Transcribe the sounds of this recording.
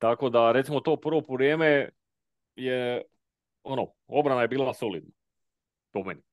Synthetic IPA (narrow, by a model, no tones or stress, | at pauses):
t̪ako̞d̪aɾet̪simot̪o̞ːpr̩ʋopoʋɾjeːme | je | ono | o̞bɾanaje̞biːlˠasolid̪̚na | pomeni